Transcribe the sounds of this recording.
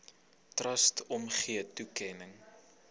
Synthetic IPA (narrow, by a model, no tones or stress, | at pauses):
trɐstʰɔmχiətukɛnəŋ